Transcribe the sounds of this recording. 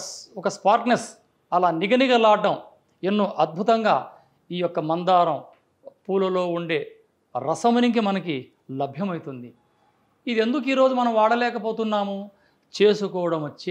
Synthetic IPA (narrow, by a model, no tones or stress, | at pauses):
ɔkɐspaːɾʈnes | ɐlaːniɡɐniɡɐlaːɖɐm | enːuʔɐd̪̚bʱut̪ɐŋɡaː | iːjɔkːɐmɐnd̪aːɾɐm | puːlɐlo̞ːuɳɖe̞ː | ɾɐsɐmɐnikimɐnɐki | lɐbʱjɐmɐjt̪und̪i | id̪e̞nd̪uk̬iːɾo̞ːd͡ʒumɐnɐmʋaːɽɐlɛːkɐpoːt̪unːaːmu | t͡ʃe̞ːsukɔːʋɐɽɐmɐt͡ʃː